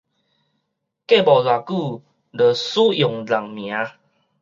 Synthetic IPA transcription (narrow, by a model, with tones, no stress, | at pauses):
ke˥˨bɔ˨˩la˨˩ku˥˧˨ | lə˨˩su˦jo˨˩ŋla˨˩ŋmj̃ã˨˦